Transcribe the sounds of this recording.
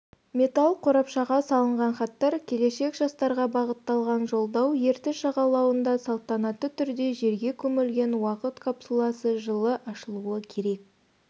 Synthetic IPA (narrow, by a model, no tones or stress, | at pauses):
mʲe̞t̪ɑlˠqʰoɾɑpʃɑʁɑsɑlˠəɴʁɑnχɑt̪ːɑɾkʲʰe̞le̞ʃe̞kʒɑst̪ɑɾʁɑbɑʁət̪ːɑlˠʁɑnʒo̞lˠd̪ɑwje̞ɾt̪ɪʃɑʁɑlˠɑwənd̪ɑsɑlˠt̪ɑnɑt̪ːət̪ʰʏɾd̪e̞ʒe̞ɾɡʲe̞kʲʰɵmɪlɡʲe̞nwɑqət̪kʰapsulˠɑsəʒəlˠəʔɑʃəlˠuəkʲʰe̞ɾe̞k̚